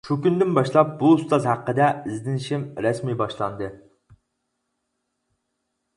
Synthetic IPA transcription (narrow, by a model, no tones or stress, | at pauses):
ʃukʲynd̪ɪnbɑʃlˠɑp̚bust̪ɑzhæqːəd̪ɛɪzd̪ɪnɪʃimɾɛsmibɑʃlˠɑnd̪ɨ